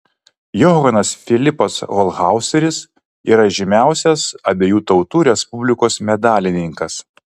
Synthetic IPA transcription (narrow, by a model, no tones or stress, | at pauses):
jɔɣɐnɐsfʲɪlʲɪpɐsɣɔlˠɣɑˑʊsʲɛɾʲɪs | ḭːɾɐʒʲɪmʲæˑʊsʲɛsɐbʲeːjuːt̪ɒʊt̪uːɾʲɛspʊbʲlʲɪkoːsmʲɛd̪ɑːlʲɪnʲɪŋkɐs